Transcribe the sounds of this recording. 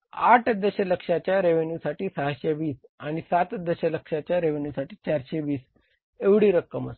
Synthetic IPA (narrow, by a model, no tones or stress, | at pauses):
aʈʰd̪əɕələkʂat͡ɕjaɾeʋenjusaʈiːsəɦaɕeʋiːsaɽ̃isat̪d̪əɕələkʂat͡ɕjaɾeʋenjusaʈiːt͡ɕaɾɕeʋiːs | eʋɽiːɾəkːəmə̰st̪